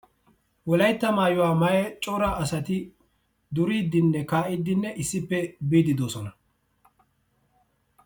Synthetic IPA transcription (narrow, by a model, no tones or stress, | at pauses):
wɔlɐjt̪ːɐmaːjʊwaːmɐjɛt͡ʃʼɔɾɐɐsɐt̪ɪ | d̪ʊɾiːd̪ːɪnːɛkaːʔɪd̪ːɪnːɛʔɪsːɪpːɛbiːd̪ɪd̪oːsɔnɐ